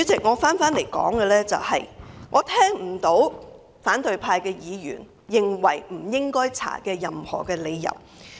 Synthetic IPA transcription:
y˨˥t͡sɪ˨k̚ŋɔː˨˧faː˨˥nfaː˨˥nle˨˩jkɔ̰ː˨˥ŋkɛ˧lɛː˥t͡sɐ˨whɐ˨jŋʔɔː˨˧t̪ʰɛː˥ŋm̩˨˩t̪o˨˥w | faː˨˥nt̪ɵ˨ɥpʰaː˧jkɛː˧jiː˨˧jy̰ː˨˩n | jɪ˨ŋwɐ˨˩jm̩˨˩jɪ˥ŋkɔː˥jt͡sʰa̰ː˨˩kɛː˧jɐ˨mhɔ̰ː˨˩kɛː˧le˨˧jːɐ̰˨˩w

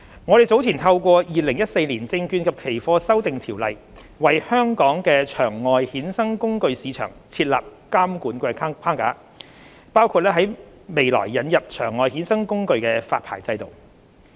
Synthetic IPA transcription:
ŋɔː˨˧ɾe˨˩jt͡so˨˥wt͡sʰi˨˩nt̪ʰɐ˧wkʷɔː˧jiː˨˩lɪ˨˩ŋjɐ˥t̚se˧jliː˨˩nt͡sɪ˧ŋkyː˧nkʰɐ˨p̚kʰe˨˩jfɔː˧sɐ˥wt̪ɪ˨ŋt̪ʰiː˨˩wlɐ˨j | wɐ˨jhœː˥ŋkɔː˨˥ŋkɛː˧t͡ʃʰœː˨˩ŋːɔː˨jhiː˨˥nsɐ˥ŋkʊ˥ŋkɵ˧ɥsiː˨˧t͡ʃʰœ̰ː˨˩ŋt͡sʰiː˧t̚la̰ː˨p̚kaː˥mkuː˨˥nkɛː˧˥pʰaː˥ŋka̰ː˨˥ | paː˥wkʰuː˧t̚lɛː˥ɦɐ˨˥j | me˨jlɔ̰ː˨˩jːɐ˨˧njɐ˨p̚t͡ʃʰœː˨˩ŋːɔː˨˧jhiː˨˥nsɐ˥ŋkʊ˥ŋkɵ˧ɥkɛː˧faː˧t̚pʰa̰ː˨˩jt͡sɐ˧jt̪o˨˩w

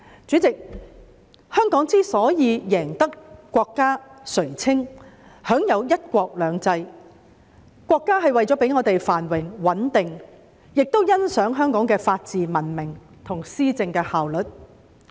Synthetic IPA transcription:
t͡syː˨˥t͡sɪ˨k̚ | hœː˥ŋkɔː˨˥ŋt͡siː˥sɔː˨˥jiː˨˧jɛː˨˩ŋt̪ɐ˥kːʷɔː˧kːaː˥sɵ˨˩ɥt͡sʰɪ˥ŋ | hœː˨˥ŋjɐ˨˧wjɐ˥t̚kʷɔː˧k̚lœː˨˧ŋt͡sɐ˧j | kʷɔː˧kːaː˥ɦɐ˨jwɐ˨jt͡sɔː˨˥pe˨˥jŋɔː˨˧t̪e˨jfaː˨˩nwɪ˨˩ŋwɐ˨˥nt̪ɪ˨˩ŋ | jɪ˨k̚t̪o˥wjɐ˥nsœː˨˥ŋɦœː˥ŋkɔː˨˥ŋkɛː˧faː˧t̚t͡siː˨mɐ˨˩nmɪ˨˩ŋ | t̪ʰʊ˨˩ŋsiː˥t͡sɪ˧ŋkɛː˧haː˨wlɵ˨˩t̚

